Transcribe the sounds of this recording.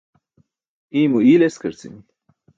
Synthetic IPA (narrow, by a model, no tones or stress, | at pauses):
imuileskəɾt͡sḭm